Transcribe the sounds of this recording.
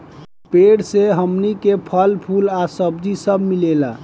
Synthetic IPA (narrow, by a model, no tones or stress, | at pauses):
peɽseɦəmnikepʰəlpʰulasəbd̪isəbmilela